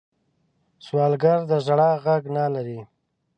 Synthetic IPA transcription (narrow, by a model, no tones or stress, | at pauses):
swɑːlɡaɾd̪əzɽɑɣaɡnalaɾi